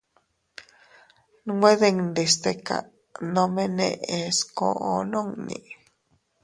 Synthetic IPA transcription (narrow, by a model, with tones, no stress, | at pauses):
nŋwe˦ðe˦˧ŋnd̪i˨st̪e˧ka̰˨ | nõ˧mẽ˦nḛ̃˧ʔe˧sko̰˧ʔo˨nõ˦ŋnḭ̃˨